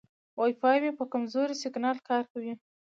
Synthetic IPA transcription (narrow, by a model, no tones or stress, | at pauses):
wɑjfɑjmepəkamzoɾisɪɡnɑlkɑɾkawi